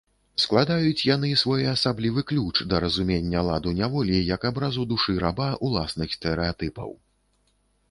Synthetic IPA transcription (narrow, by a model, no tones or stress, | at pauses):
sklˠad̪ajut͡sʲjan̪ɨsvɔjɛɐsablʲivɨklʲut͡ʂd̪ɐɾɐzumʲenʲːɐlˠad̪unʲavɔlʲijɐkabɾazud̪uʂɨɾabaʔulˠasnɨxst̪ɛɾɛat̪ɨpɐ̰w